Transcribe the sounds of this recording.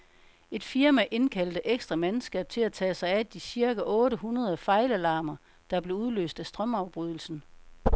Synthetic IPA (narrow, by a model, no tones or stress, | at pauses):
e̝d̥fiɐmæʔe̝nkʰæl̰d̥əʔeɡ̥sd̥ʁɐmensɡ̥ɛːb̥̚t͡sʰe̝læt͡sʰɛ̰ːsɑ̈ɪæd̥isiɐɡ̥æʔɔ̽ːɾəɦunɐð̞ˠɐfɑ̈ɪlælɑ̈ːmɐ | d̥ɑ̈b̥le̝uð̞ˠlø̰ːsd̥æsd̥ʁɶmɑ̈ʊb̥ʁyð̞ˠl̩sn̩